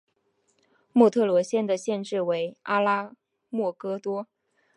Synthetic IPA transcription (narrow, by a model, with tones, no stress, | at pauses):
mwɔ˥˧t̪ʰɤ˥˩lwɔ˧˥ɕjɛ˥˩nd̪ə˨ɕjɛ˥˧nʈ͡ʂɻ̩˥˩we˧˥ɪa˥la˥ | mwɔ˥˩kɤ˥t̪wɔ˥